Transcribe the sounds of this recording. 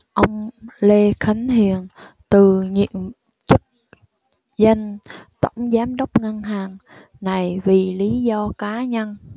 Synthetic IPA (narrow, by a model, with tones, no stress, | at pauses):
ʔə˧wŋ͡mle˧xʰə˨˦ŋ̟hi˨˩ən | t̪ɨ˨˩ɲḭ˧˨əm | t͡ɕɨ˦˥k̚ | zə˧nt̪ə̰˧˩wŋ͡mzaː˨˦mɗə˦˥wk͡p̚ŋə˧nɦaː˨˩ŋ | na˨˩jvi˨˩li˨˦zɔ˧kaː˨˦ɲə˧n